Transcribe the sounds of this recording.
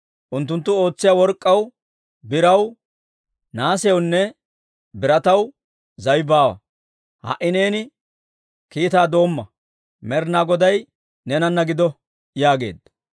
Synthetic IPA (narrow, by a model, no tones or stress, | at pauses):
ʔʊnt̪ːʊnt̪ːʊo̞ːt͡sːɪjawɔɾkʼːɐw | bɪɾɐw | naːsɛjɔwnːɛ | bɪɾɐt̪ɐw | zɐjbaːwɐ̰ | hɐ̰ʔɪneːnɪ | kiːt̪aːd̪o̞ːmːɐ | mɛɾnaːɡɔd̪ɐj | nɛnɐnːɐɡɪd̪ɔ | jaːɡe̞̰ːd̪ːɐ̥